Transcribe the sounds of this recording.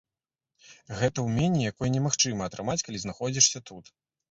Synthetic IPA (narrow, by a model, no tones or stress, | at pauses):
ɣɛt̪ɐwmʲenʲijakɔjɐnʲɛmaxt͡ʂɨmɐːt̪ɾɨmat͡sʲkalʲiznaxɔd͡zʲiʂsʲɐt̪ut̪